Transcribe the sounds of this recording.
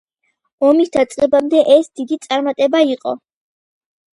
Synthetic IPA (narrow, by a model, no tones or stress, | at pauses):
ɔmisd̪at̪sʼqʼɛbamd̪ɛʔɛsd̪id̪it̪sʼaɾmat̪ʼɛbaiqʼɔ̰